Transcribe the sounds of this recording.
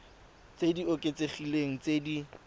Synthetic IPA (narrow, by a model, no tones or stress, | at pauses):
t͡sediokʼet͡seχileŋ̩t͡sedi